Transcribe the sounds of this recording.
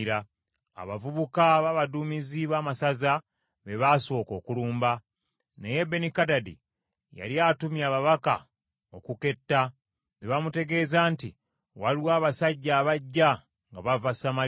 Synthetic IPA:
ɾa | a̰βavuβukaβaβadumiziβaːmasaza | βeβaso̞ːko̞ːkuluːmba | neje̞be̞nikadadḭ | ja̰liatumjaːβaβaka̰ | o̞̰kuke̞tːa | ðeβamute̞ɡe̞ːzaːnti | walwaːβasaɟːaːβaɟːa | ŋɡaβavasama

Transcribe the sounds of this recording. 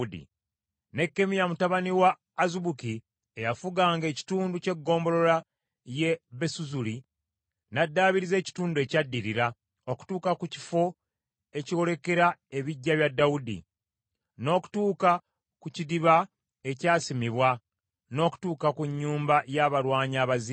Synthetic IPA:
dḭ | ne̞kːe̞mijamutaβaniwaː | zuβuki | ejafuɡaːŋɡe̞ːci̥tuːnduce̞ɡːo̞ːmbo̞ɾo̞ɾa | je̞βe̞suzuli | nadːaːβiɾize̞ːci̥tuːndue̞cadːiɾiɾa | oku̥tuːkakuci̥fo̞ | e̞ciwo̞ɾe̞ke̞ɾae̞βiɟːaβjadːaudḭ | no̞ːku̥tuːka | kucidiβa | e̞caːsimiβwa | no̞ːku̥tuːkakuɲːuːmbajaβaɾwaːɲaːβazi

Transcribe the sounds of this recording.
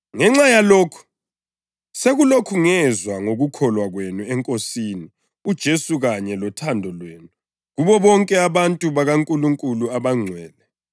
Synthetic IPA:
ŋɛŋ͡ǁajaloːkʰu̥ | seɣulokʰuŋɛzwaŋoɣukʰɔlwaɣwenuɛŋkʼosiːni | ud̥ʒ̥ʱesuɣaɲɛlɔtʰandʱɔlweːnu | ɣuβɔβɔŋkʼɛaβantʼuβaɣaŋkʼuluŋkʼuluaβaŋ͡ǀʱwɛːlɛ

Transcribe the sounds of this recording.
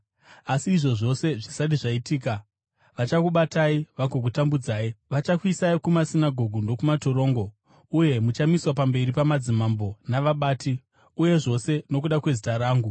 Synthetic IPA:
asiːʐo̞ʐo̞se̞ʐisatiʐaitiːka | ʋat͡ʃakuɓataiʋaɡoɡ̬utambud͡zaːiʋat͡ʃakwisaikumasinaɡʱo̞ɡʱundo̞kumatoɾo̞ːŋɡo̞ | uje̞mut͡ʃamiswapambe̞ɾipamad͡zimambo̞naʋaɓaːti | uje̞ʐo̞se̞no̞k̬uɗakwe̞zitaɾaːŋɡu

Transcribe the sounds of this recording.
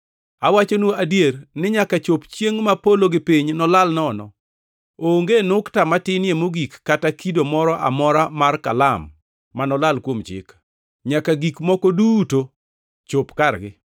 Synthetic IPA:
awat͡ʃonuadjernɪɲakat͡ʃopt͡ʃjeŋmapoloɡɪpiɲnɔlalnɔnɔ̰ | oŋɡenʊktamatɪnjemoɡikːatakidomɔɾɔʔa̰mɔɾamarkalamː | anɔlalkwomt͡ʃɪ̰k | ɲakaɡikmɔkoduto | t͡ʃopkarɡɪ̰

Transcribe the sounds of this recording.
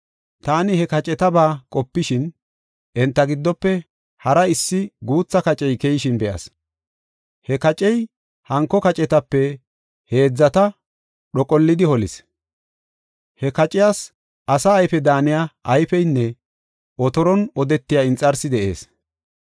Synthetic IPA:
t̪aːnɪhɛkɐt͡ʃʼɛt̪ɐbaːkʼɔpːɪʃɪn | ʔɛnt̪ːɐɡɪd̪ːɔpːɛ | hɐɾɐɪsːɪɡuːt͡sːɐkɐt͡ʃʼɛjkejɪʃɪnbɛʔɐ̰s | hɛkɐt͡ʃʼɛj | hɐŋkːɔkɐt͡ʃʼɛt̪ɐpːɛ | he̞ːd͡zːɐt̪ɐ | ɗɔkʼɔlːɪd̪ɪhɔlɪs | hɛkɐt͡ʃʼɪjaːs | ʔɐsɐːjfɛd̪aːnɪjaʔɐjfɛjnːɛ | ʔɔt̪ɔɾɔnɔd̪ɛt̪ːɪjaɪnt͡sʼɐɾsɪd̪ɛʔe̞̰ːs

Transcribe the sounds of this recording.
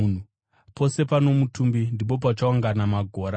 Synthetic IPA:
n̤u | po̞se̞pano̞mutumbindip̬o̞p̬at͡ʃaaŋɡanamaɡʱo̞ːɾa

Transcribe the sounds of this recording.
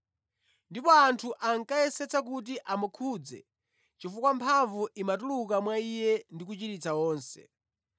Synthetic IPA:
ndipɔantʰuʔaŋkajɛsɛt͡sak̬ut̬iʔamukʰud͡zɛ̰ | t͡ʃifukwampʰaɱvuʔimatulukamwaijɛndik̬ut͡ʃitit͡saɔːnsɛ̰

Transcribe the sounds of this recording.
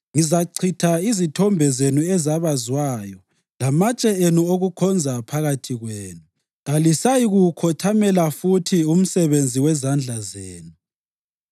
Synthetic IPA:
ŋizaǀʰitʰaizitʰɔmbʱɛzenuɛzaβazwaːjɔ | lamat͡ʃʼɛenuoɣukʰɔnd͡zʱapʰaɣatʰiɣweːnu | ɣalisajiɣukʰɔtʰamɛlafutʰium̩sɛβend͡zʱiwɛzand͡ɮʱazeːnu

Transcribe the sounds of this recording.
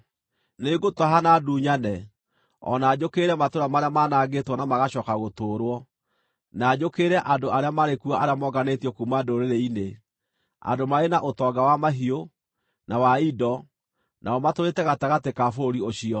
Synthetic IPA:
neɡotɔɦanaduːɲanɛ | ɔ̰naːd͡ʒokeɾɛmatoɾamaɾeamanaɡetwɔnamaɣaɕɔːkaɣotoːɾwɔ | nad͡ʒokeɾɛʔandoaɾeamaɾekuaʔaɾeamɔɡanetjɔkumadoɾeɾeine | a̰ndomaenaʔotɔɡawamaɦio | nawaidɔ | nʔaɔmatoɾetɛɣataɣatekafoɾioɕiɔ

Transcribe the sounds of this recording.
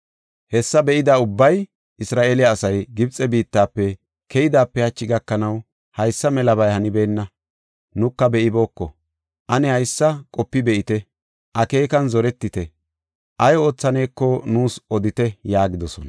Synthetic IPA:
hɛsːɐbɛʔɪd̪aːʊbːɐj | ʔɪsɾaːʔeːlɪjaːsɐjɡɪbt͡sʼɛbiːt̪ːaːpːɛ | kʰɛjɪd̪aːpːɛhɐt͡ʃːɪɡɐkːɐnɐw | hɐjsːɐmɛlɐbɐjhɐnɪbe̞ːnːɐ | nʊkːɐbɛʔɪbo̞ːkːɔ | ʔɐnɛhɐjsːɐkʼɔpːɪbɛʔɪt̪ɛ | ʔɐke̞ːkɐnzɔɾɛt̪ːɪt̪ɛ | ʔɐjo̞ːt͡sːɐne̞ːkːɔnuːsʔɔd̪ɪt̪ɛjaːɡɪd̪ɔsɔnɐ

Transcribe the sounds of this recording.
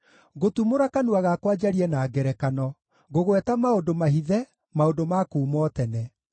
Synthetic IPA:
ɣotumoɾakanuaɣakwad͡ʒaɾiɛnaːɡɛɾɛkanɔ | ɣoɣwɛtamaodomaɦiðɛ | maodomakuːmɔtɛnɛ

